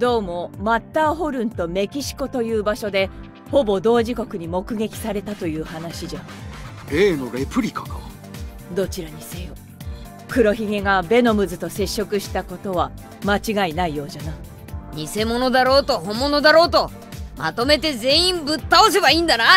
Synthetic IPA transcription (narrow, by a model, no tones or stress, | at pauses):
d̪o̞ːmo̞mat̪ːaːɦo̞ɾɯ̟̃nt̪o̞me̞kʲiɕi̥ko̞t̪o̞jɯ̟ːbaɕo̞d̪e̞ | ho̞bo̞d̪o̞ːʑiko̞kɯ̟ɲ̟imo̞kɯ̟ɡe̞kʲi̥saɾe̞t̪at̪o̞jɯ̟ːhanaɕiʑa | ɾe̞ːno̞ɾe̞pɯ̟ɾʲikḁka | d̪o̞t͡ɕiɾaɲ̟ise̞jo | kɯ̟ɾo̞çiɡe̞ɡabe̞no̞mɯ̟zɨt̪o̞se̞ɕːo̞kɯ̟ɕi̥t̪ako̞t̪o̞β̞a | mat͡ɕiɡainaijo̞ːʑana | ɲ̟ise̞mo̞no̞d̪aɾo̞ːt̪o̞ɦõ̞mːo̞no̞d̪aɾo̞ːt̪o̞ | ma̰t̪o̞me̞t̪e̞zẽ̞ĩmbɯ̟t̪ːaos̬e̞baiːnd̪ana